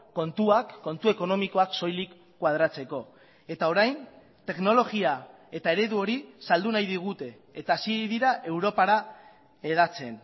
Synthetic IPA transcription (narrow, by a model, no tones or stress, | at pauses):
ko̞nt̪uakːo̞nt̪ue̞ko̞no̞miko̞akso̞jlikːwað̞ɾat͡se̞ko̞ | e̞t̪ao̞ɾajn | t̪e̞kno̞lo̞ɣia | e̞t̪ae̞ɾe̞ðuo̞ɾisald̪unajðiɣ̞ut̪e̞ːt̪aːsiðiɾaʔe̞wɾo̞paɾa | eðat͡se̞n